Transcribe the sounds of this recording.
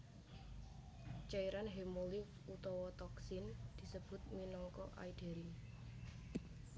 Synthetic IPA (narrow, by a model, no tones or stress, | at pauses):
t͡ʃaiɾanɦemolifut̪ɔwɔt̪ɔksɪnd̪̥i̤səb̥ʊ̤t̪̚minɔŋkɔ̰ʔa̰id̥e̤ɾi